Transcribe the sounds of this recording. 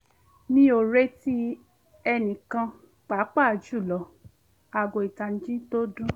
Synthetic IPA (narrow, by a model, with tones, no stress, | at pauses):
nĩ˦o˨ɾe˦ti˦ | ɛ˧nĩ˨kã˧ | k͡pa˨˦k͡pa˦˨d͡ʒu˦˨lɔ˨˦ | a˨ɡo˨i˨ta˨n̩˦d͡ʒĩ˦to˦dũ˦